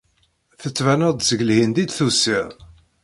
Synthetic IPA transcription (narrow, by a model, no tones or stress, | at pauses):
θət͡sːvænæd̪zəɡlhind̪id̪θusiʁ